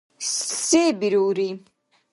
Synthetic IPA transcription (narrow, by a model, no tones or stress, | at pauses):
ssɛbiɾuːɾi